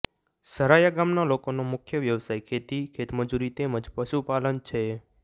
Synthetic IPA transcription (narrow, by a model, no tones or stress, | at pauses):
səɾajaɡamnalokonomʊkʰjəʋjəʋsajkʰet̪ikʰet̪məd͡ʒuɾit̪eməd͡ʒpəʃupalənt͡ʃʰe